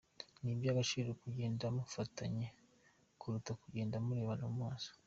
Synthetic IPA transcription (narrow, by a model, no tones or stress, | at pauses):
nibjaːβaʃiɾeɾekuɟe̞ːndamufataɲe | kuɾutakuɟe̞ːndamuɾe̞ːβanomwaːso̥